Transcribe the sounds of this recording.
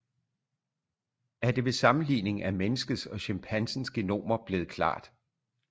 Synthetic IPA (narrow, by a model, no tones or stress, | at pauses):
æɐd̥e̝ʋe̝sɑ̈mn̩lḭːne̝ŋæmenəsɡ̥əðˠsɒ̽ɕæmpʰænsn̩sɡ̥e̝no̝̰ːmɐb̥le̝ːð̩ˠkʰlɑ̰̈ːd̥